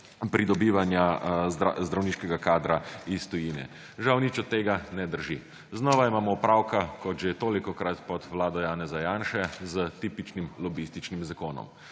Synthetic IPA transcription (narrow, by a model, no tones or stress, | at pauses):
pɾʔid̪ɔbiːʋanja | zd̪ɾawniːʃkɛɡakaːd̪ɾaist̪ɔjiːnɛ̰ | ʒawnit͡ʃɔt̪ːeːɡanɛd̪əɾʒi | znɔːʋaimaːmɔupɾaːwkakɔt̪ʒet̪oːlikɔkɾat̪pɔt̪ʋlaːd̪ɔjaːnɛzajaːnʃɛzət̪iːpit͡ʃnimlɔbist̪it͡ʃnimzakoːnɔ̰m